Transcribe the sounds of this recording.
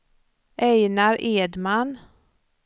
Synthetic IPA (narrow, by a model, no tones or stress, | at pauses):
ʔɛjnaɾeːd̪man